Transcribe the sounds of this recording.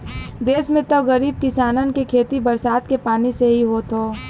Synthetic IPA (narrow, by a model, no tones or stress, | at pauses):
d̪eːsmẽt̪ɔɣəɾiːb̚kɪsaːnən̆kekʰeːt̪ibəɾsaːt̪kepaːniseɦiɦoːt̪oː